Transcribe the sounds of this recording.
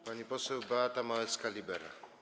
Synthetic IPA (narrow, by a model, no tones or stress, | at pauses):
paɲipɔsɛwbaat̪amawɛt̪skalʲibɛɾa̰